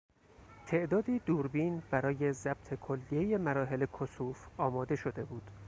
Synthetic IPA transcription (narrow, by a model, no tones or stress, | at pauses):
t̪ʰe̞ʔd̪ɒːd̪iːd̪uːɾbiːnb̥æɾɒːje̞zæb̥̚t̪ʰe̞kʰo̞lːijejemæɾɒːɦe̞lekʰosuːfɒːmɒːd̪e̞ʃo̞d̪e̞buːd̪̥